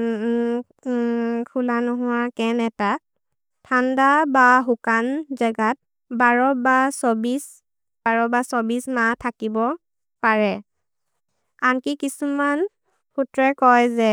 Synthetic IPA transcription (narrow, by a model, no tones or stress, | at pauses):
kʰulanʊɦʊwakɛnɛta | tʰandabaɦukanzaɡat̚ | baɹɔbasɔbis | b̥aɹɔbasobismatʰakibɔ | paɹɛ | ankikisuman | pʰutɹɛkɔjzɛ